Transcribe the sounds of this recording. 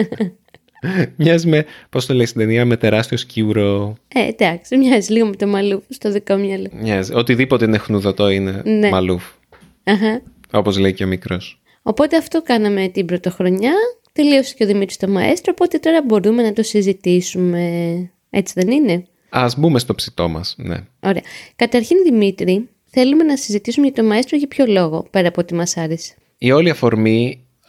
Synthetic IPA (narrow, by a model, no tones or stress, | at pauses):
mɲɐzimepost̪oleist̪id̪eniɐme̞t̪e̞ɾɐst̪io̞sciuɾoed̪ɐksimɲɐzizliɣomet̪o̞mɐlufst̪oðikomɲɐlomɲɐziot̪iðipo̞t̪einexnuðot̪o̞inene̞mɐluf | ɐxɐ | o̞po̞zleiceo̞mikɾos | o̞po̞t̪e̞ɐft̪o̞kɐnɐme̞t̪ibɾo̞t̪oxɾo̞ɲɐt̪e̞lio̞sece̞oðimit̪ɾi̥st̪o̞mɐḛst̪ɾoːpo̞t̪e̞t̪o̞ɾɐbo̞ɾume̞nɐt̪o̞sizit̪isume̞ | et͡siðe̞nine̞ | ɐzbumest̪o̞psit̪o̞mɐ̰sne̞̰o̞ɾe̞ɐkɐt̪ɐɾçinðimit̪ɾi | θe̞lume̞nɐsizit̪isumeʝɐt̪o̞mɐest̪ɾoʝɐpço̞lo̞ɣo̞̰pe̞ɾɐpoot̪imɐsɐɾese̥ | io̞liɐfo̞ɾmi